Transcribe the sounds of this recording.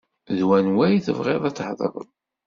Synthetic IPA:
ðwænwæjθə̰vʁeðˤæt͡sːħðˤə̰ɾˤə̰n

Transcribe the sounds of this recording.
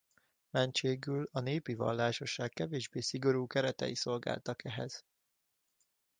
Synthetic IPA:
mɛnt͡ʃeːɡylɒneːpivɒ̰lːaːʃo̞ʃaːkkːɛveːʒbeːsiɡo̞ɾuːkɛɾɛt̪ɛ̰jiso̞lɡa̰ːlt̪ɒkɛɦɛ̰z̥

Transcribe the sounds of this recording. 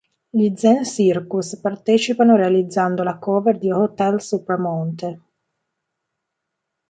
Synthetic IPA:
ʎid̪zɛnsirkuspart̪ɛːt͡ʃipanoɾealid̪zːand̪olakɔːveɾd̪ihot̪ɛlsupɾamɔnt̪e

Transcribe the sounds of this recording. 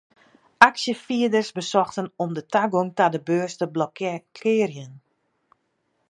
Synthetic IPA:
aksjəfiədərsbəsɔxtənɔmdətaɡoŋtadəbøːstəblɔkkʰɪːrjən

